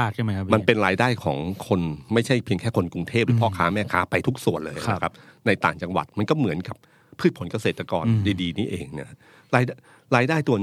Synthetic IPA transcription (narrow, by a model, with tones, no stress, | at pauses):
aː˥˩kʰa˥˩ma˦˥jkʰa˦ma˧npe˧nɾaː˧jdaː˥˩jkʰɔ̰ː˩˦ŋkʰo˧nma˥˩jt͡ɕʰa˥˩jpʰi˧əŋkʰɛː˥˩kʰo˧nku˧ŋt̪ʰeː˥˩p̚ɨɯː˨˦pʰɔː˥˦˩kʰaː˦˥mɛː˥˩kʰaː˦˥pa˧jt̪ʰu˦˥k̚su˨˩ənlɤː˧ja˨a˦˧˦kʰa˦˥p̚na˧jt̪aː˨˩ŋt͡ɕa˧ŋwa̰˨˩t̪̚ma˧nkɔː˥˩mɯ˩˦ənka˨˩p̚ʰː | ɯː˥˩t̪̚pʰo˩˦nka˧seː˨˩t̪ːɾa˧kɔː˧ndi˧diː˧niː˦˥ʔeː˧ŋna˦˥k | ɾaː˧ja˥ | ɾaː˧jdaː˥˩jt̪u˧ɐn